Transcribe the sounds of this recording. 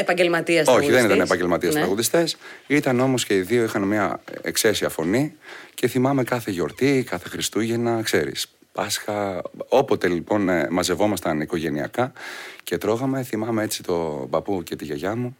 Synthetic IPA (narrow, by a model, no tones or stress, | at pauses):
epɐɲɟelmɐt̪iɐsoçiðe̞nit̪ɐnepɐɲɟe̞lmɐt̪iɐsɾɐɣuðist̪e̞sit̪ɐno̞mosce̞iðio̞ixɐnmiɐḛkse̞siɐfo̞nice̞θimɐme̞kɐθe̞ʝo̞ɾt̪ikɐθe̞xɾist̪uʝɐnɐkse̞ɾḭs | pɐsxɐo̞po̞t̪e̞lipo̞nmɐze̞vo̞mɐst̪ɐniko̞ʝe̞niɐ̰kɐce̞t̪ɾo̞ɣɐme̞θimɐmee̞t͡si̥t̪o̞bɐpuce̞t̪iʝɐʝɐmu